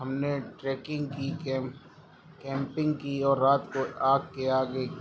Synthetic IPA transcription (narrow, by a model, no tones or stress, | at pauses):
ɦɐmneʈɾɛːkɪ̃ŋɡki | kɛ̃ːmpɪ̃ŋɡkiɔːɾːaːt̪koaːk̚keaːɡe